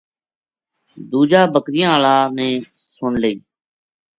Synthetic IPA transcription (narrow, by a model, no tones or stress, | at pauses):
d̪uːd͡ʒaːbəkɾɪjãːlaːnẽː | sʊɳleːiː